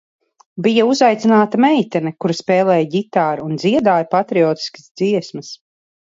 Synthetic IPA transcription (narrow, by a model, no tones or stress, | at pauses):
bijauzajt̪sinaːt̪amɛjt̪ɛnɛkuɾaspɛːlˠɛːjɟit̪aːɾund̪ziɛd̪aːjapat̪ɾiɔːt̪i̥ski̥zd̪z̥iɛsmɐs